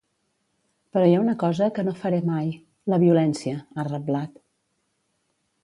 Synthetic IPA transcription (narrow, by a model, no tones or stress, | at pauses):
pəɾɔjaunəkɔzəkənofəɾemaj | ləβiulɛnsiəarəblat̪